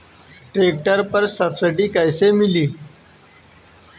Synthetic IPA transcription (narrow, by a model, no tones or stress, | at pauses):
ʈɾeːk̚ʈəɾpəɾsəfsɪɖiːkaɪsemɪliː